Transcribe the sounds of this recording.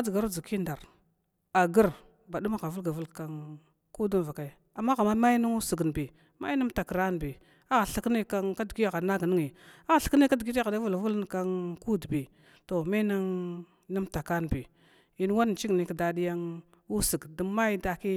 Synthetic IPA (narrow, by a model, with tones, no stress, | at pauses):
a˦d͡zɡa˨ɾu˦d͡zi˨ki˦nda˨ɾ | a˨ɡə˦ɾ | ba˨du˦ma˦ɣa˨vu˦lɡa˨vu˦lka˨n | ku˦du˦nva˨ka˨i˨ | a˨mːa˦ɣa˨ma˦ma˦ji˦nu˦ŋu˦su˨ɡn˨bi˨ | ma̰˦i˦ni˦m˦ta˨kə˨ɾa˦n˨bi˨ | a˦˨ɬə˦kni˦ka˦ŋka˦dɡi˦ja˦˨ɣa˨na˦ɡni˦ŋi˨a˦˨ɬə̥˨˦kni˦ka˦dɡi˦da˨da˦vu˦lvu˦ln˨ka˦ŋku˦dbi˨ | to˨ma˦na˦ŋ | ni˦mta˨ka˦n˨bi˨ | i˨˦n˦wa˦n˨t͡ʃi˦ɡni˨kda˨di˦ja˦ŋ | u˦si˨ɡda˨ma˦jda˨ki˦